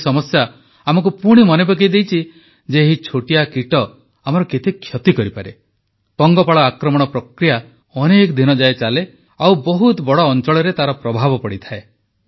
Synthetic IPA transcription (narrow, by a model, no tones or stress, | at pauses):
sɔmɔsja | amɔk̬upuɽ̃imɔnebak̬ejd̪ejt͡ʃʰi | d͡ʒeɦit͡ʃʰoʈijakiʈɔ | amɔɾɔket̪ekʰːjɔt̪ikɔɾipaɾe | pɔŋɡɔpaɭɔakɾɔmɔɽ̃ɔpɾɔkɾija | ɔnekɔd̪ʱinɔd͡ʒaet͡ʃale | awbɔɦut̪bɔɽɔːnt͡ʃɔɭɔɾet̪aɾɔpɾɔbʱabɔpɔɽit̪ʰae